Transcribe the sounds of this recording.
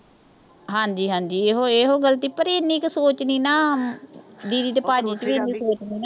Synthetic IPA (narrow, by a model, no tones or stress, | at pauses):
ɦãːɲd͡ʒiːɦãːɲd͡ʒiːeːɦoːeːɦoːɡəlt̪iːpəɾiːɪnːĩːksoːt͡ʃniːnaː | d̪iːd̪iːt̪̬epaːd͡ʒiːt͡ʃəʋiːnːiːsoːt͡ʃniːnaː